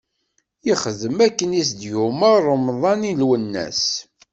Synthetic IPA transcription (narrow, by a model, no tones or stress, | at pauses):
jiχəðəmækːənisd̪juməɾˤəmðˤɑnilwənːæ̰s